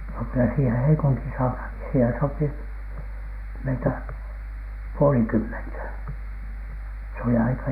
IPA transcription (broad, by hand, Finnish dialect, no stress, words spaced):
no kylæ siːhe heikuntin sɑunhɑˑŋki siːhen sopi meitæ puolikymːentæ s oli ɑikɑ